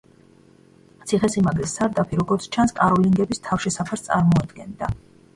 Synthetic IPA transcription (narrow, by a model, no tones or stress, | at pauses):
t̪sʰiχɛsimaɡlɛsːaɾd̪apʰiɾɔɡɔɾt̪sʰt͡ʃʰanskʼaɾɔliŋɡɛbist̪ʰafʃɛsapʰaɾst̪sʼaɾmɔad̪ɡɛnd̪a